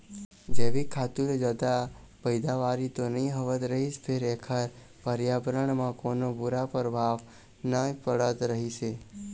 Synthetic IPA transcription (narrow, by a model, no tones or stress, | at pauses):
d͡ʒeʋikʰat̪uɾd͡ʒəd̪a | pəjd̪aʋaɾit̪onəɦĩɦəʋət̪ɾəɦiʃpʰeɾekʰəɾ | pəɾjabɾəɳmãkonobuɾapəɾbʱaʋ | nəpəɽət̪ɾəɦit͡ʃʰe